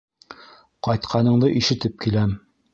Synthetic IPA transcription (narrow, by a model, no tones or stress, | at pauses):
qɒjt̪qʰɑnɤ̆ɴd̪ɤʔiʃɘ̆t̪ɘp̚kilæm